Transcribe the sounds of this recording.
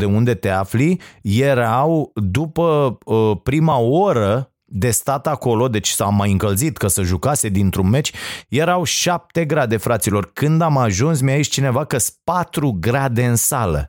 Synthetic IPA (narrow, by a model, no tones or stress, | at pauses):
d̪e̞und̪e̞t̪e̞aflije̞ɾawd̪upə | pɾimaoɾə | d̪e̞st̪at̪ako̞lo̞d̪e̞t͡ʃʲsamːajɨŋkəlzit̪kəsəʒukase̞d̪int̪ɾunme̞t͡ʃʲje̞ɾawʃap̚t̪e̞ɡɾad̪e̞fɾat̪silo̞rkɨnd̪amaʒuns̬miait͡ʃʲt͡ʃine̞vakəspat̪ɾuɡɾad̪e̞ɨnsalə̰